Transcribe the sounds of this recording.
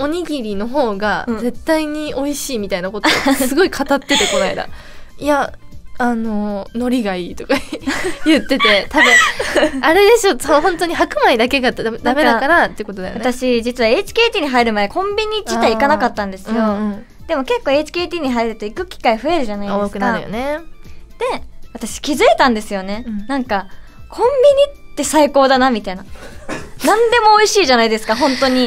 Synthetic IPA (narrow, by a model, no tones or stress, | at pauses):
o̞ɲ̟iɡʲiɾʲino̞ɦo̞ːɡaze̞t̪ːaiɲ̟io̞iɕiːmʲit̪ainako̞t̪osɨɡo̞ikʰat̪at̪ːe̞t̪e̞ko̞naid̪a̰ | iaano̞no̞ɾʲiɡaiːt̪o̞kajɯ̟t̪ːe̞t̪e̞t̪abɯ̟̃aɾe̞d̪e̞ɕo̞soɦõnt̪o̞ɲ̟ihakɯ̟maid̪ake̞ɡat̪ːd̪ame̞d̪akaɾat̪ːeiɯkot̪oajo̰at̪aɕid͡ʑit͡sɨβae̞ːt͡ɕi̥kʲe̞ːt̪ʲiːɲ̟iɦaiɾɯ̟mad̪e̞kʰõ̞mbʲiɲ̟id͡ʑit̪aikanakat̪ːãnd̪e̞sɨjõ̞ | d̪̥e̞mo̞ke̞kːo̞ːe̞t͡ɕi̥kʲe̞ːt̪ʲiːɲ̟iɦaiɾɯ̟t̪o̞ikɯ̟kʲi̥kaiɸɯ̟e̞ɾɯ̟ʑanaioskɯ̟nk̪aaɾɯjo̰ned̪̥e̞βat̪aɕi̥kʲizɨe̞t̪ãnd̪e̞sɨjo̞ne̞nãŋka | kʰõ̞mbʲiɲ̟itt̪ːe̞saiko̞ːd̪anamʲit̪aina | nãnd̪e̞mo̞ːiɕiːʑanaid̪e̞sɨ̥kaɦõ̞nt̪o̞ɲ̟i